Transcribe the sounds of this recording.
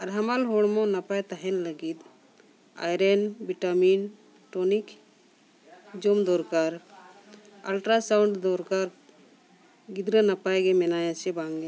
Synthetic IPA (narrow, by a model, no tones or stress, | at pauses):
aɾɦəmalɦɔɽmɔ̃napajt̪aɦɛnləɡit̪ | a̰jɾɛnbiʈamin | ʈɔnik | d͡ʒomd̪ɔɾkaɾ | alʈɾasawɳɖd̪ɔɾkaɾ | ɡid̪ɾənapajɡɛmɛnajasɛbaŋɡɛ